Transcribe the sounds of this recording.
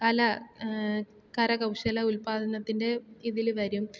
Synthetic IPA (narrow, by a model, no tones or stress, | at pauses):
kɐlɐ | kɐɾɐkɐwʂɐlɐulpaːd̪ʱɐnɐt̪ːinde̞iðilʋɐɾum